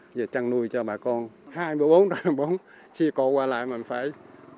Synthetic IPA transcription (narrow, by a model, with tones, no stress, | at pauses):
ze˨˩t͡ɕa˧ŋnu˧əjt͡ɕɔ˧ɓaː˨˩kɔ˧nhaː˧jmɨ˧əjɓo˨˦nɗa˧˩ɓo˨˦n | t͡ɕi˧˩kɔ˨˦kwaː˧la̰ː˧˨jmä˨˩ŋ̟faː˧˥˨j